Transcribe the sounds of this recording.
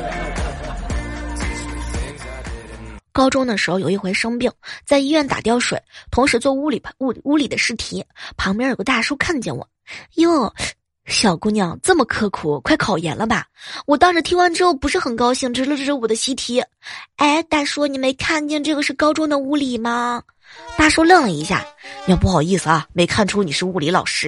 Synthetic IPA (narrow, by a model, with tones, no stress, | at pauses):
kɑ˥ʊʈ͡ʂʊ˥ŋd̪ə˨˩ʂɻ̩˧˥xo˧jo˨˧˩ʊi˥˩xwe˧˥ɪʂɤ˥ŋpi˥˩ŋt͡sa˥˧ɪi˥ɥɛ˥˩nt̪a̰˨˩t̪jɑ˥˩ʊʂwḛ˨˩˦ɪt̪ʰʊ˧˥ŋʂɻ̩˧˥t͡swɔ˥˩u˥li˨˩u˥˩u˥li˨˩d̪ə˦ʂɻ̩˥˩t̪ʰi˧˥pʰɑ˧˥ŋmjɛ˧˥˨ə˧˥t̪a˥˩ʂu˥kʰa˥˧nt͡ɕjɛ˥˩nwɔ̰˨˩˦jo˥˩ | ɕjɑ˨˩ʊku˥njɑ˧˩ŋt͡sɤ˥˩mə˩kʰɤ˥kʰu˨˩kʰwa˥˩ɪkʰɑ˨˩ʊjɛ˧˥nlə˧ba˧wɔ˨˩t̪ɑ˥ŋʂɻ̩˧˩t̪ʰi˥wa˧˥˩nʈ͡ʂɻ̩˥xo˥˩ʊpu˧˥ʂɻ̩˥˩xə˨˩nkɑ˥ʊɕi˥˩ŋʈ͡ʂɻ̩˧˥lə˧ʈ͡ʂɤ˥˧˩ə˧˥wɔ˨˩d̪ə˦ɕi˧˥t̪ʰi˧˥e˥˩ɪt̪a˥˩nʂwɔ˥ni˨˩me˧˥ɪkʰa˥˧nt͡ɕjɛ˥˧nʈ͡ʂɤ˥˩ɡə˩ʂɻ̩˥˩˧kɑ˥ʊʈ͡ʂʊ˥ŋd̪ə˨u˧˥li˨˩mɐ˧ | t̪a˥˩ʂo˥ʊlɤ˥˩ŋlə˩i˧˥ɕja̰˥˩ni˨˩jp̬u˥˩xɑ˨˩ʊi˥˩sɹ̩˩ɐ˩me˧˥ɪkʰa˥˩nʈ͡ʂʰu˥ni˨˩ʂɻ̩˥˧u˥˩li˧˥lɑ̰˨˩ʊʂɻ̩˥